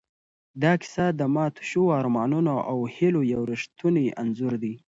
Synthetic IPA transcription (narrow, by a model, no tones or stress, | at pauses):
d̪ɑkɪ̥sɑd̪əmɑt̪ʊ̥ʃuɑɾmɑnunaʔawhɪlojawɾɪʂt̪uniʔanzʊɾd̪i